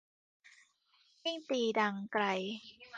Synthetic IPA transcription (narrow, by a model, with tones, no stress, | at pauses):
ji˥˩ŋt̪iː˧˩da˧ŋkɾa˧j